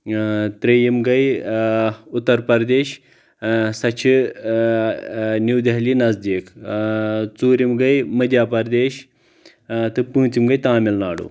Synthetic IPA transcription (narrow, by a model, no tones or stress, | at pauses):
t̪ɾejimɡɐj | ut̪ːɐɾpɐɾd̪eːɕ | sɐt͡ʃʰi | nuwd̪ɐɦlinɐzd̪iːk | t͡suːɾimɡɐjmɐd̪jaːpɐɾd̪eːɕ | t̪ɨpũɦt͡simɡɐjt̪aːmilnaːɽṵː